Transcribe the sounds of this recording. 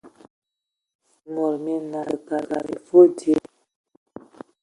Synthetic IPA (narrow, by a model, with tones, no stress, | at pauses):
mo˨ɾme˨na˨ka˨ɡa̰˨ɾḭ˨fo˦de˦